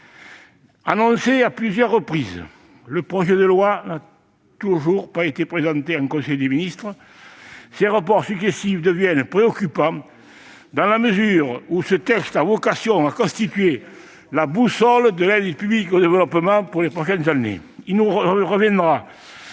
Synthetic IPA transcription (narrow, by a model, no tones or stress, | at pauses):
a̰nɔ̃seaplyzjœʁːəpχizə | ləpχɔʒed̪əlwana | t̪uʒuʁpaet̪epχezɑ̃nt̪eɑ̃ŋkɔ̃sɛjd̪əminist̪χə | seʁap̬ɔʁsyksest̪ifd̪əvjɛnpχeɔkypɑ̃ | d̪ɑ̃laməzyʁusət̪ɛkst̪avɔkasjɔ̃ŋakɔ̃st̪it̪ɥe | labusɔld̪əlɛd̪əpyblikod̪evəlɔpəmɑ̃puʁlepʁɔʃɛnzanḛ | ilnuʁəʁəvjɛ̃nd̪ʁa